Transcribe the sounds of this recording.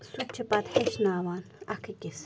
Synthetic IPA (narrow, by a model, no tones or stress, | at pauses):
sut͡ʃʰɐpɐt̪heʃnaːʋaːnɐkʰɐkʲis